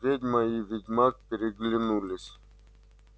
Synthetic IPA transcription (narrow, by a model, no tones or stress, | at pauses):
vʲedʲmɐjiʋʲɪdʲmak̚pʲɪɾʲɪɡlʲɪnulʲɪsʲ